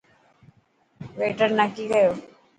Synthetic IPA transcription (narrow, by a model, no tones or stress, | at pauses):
ʋeːʈəɾnəkiɡəjoː